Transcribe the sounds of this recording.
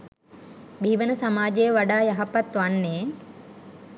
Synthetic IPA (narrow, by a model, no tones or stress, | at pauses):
bʱiːʋənəsamaːd͡ʒejəʋaɖaːjaɦɐpɐt̪ʋanːeː